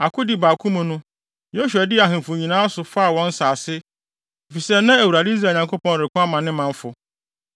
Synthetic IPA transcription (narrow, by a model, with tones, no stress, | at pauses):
a˨kʰʊ˦dɪ˨baː˨kʰũ˦mũ˦nʊ̃˦ | jo˦ɕu˨ɛ˨dɪ˦a˨ɦɪ̃˨m˨fʊ˨ɲĩ˨nãː˦a˦sʊ˨fa˦a˨wɔ̃˦n̩˦saː˨sɪ˦˨ | fi˨sɛ˦nã˦æ˨u˨ɾa˨dɪ˦i˦˨aː˨ɲã˨ŋkʰo˦pɔ̃˦n˨ɾɪ˨kʰʊ̃˦a˦mã˨nːɪ̃˦mã˨ɱ˦fʊ˨